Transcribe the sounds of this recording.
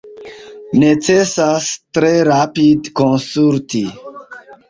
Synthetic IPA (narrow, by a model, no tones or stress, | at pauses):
net͡sesastɾe̞ɾapidkonsulti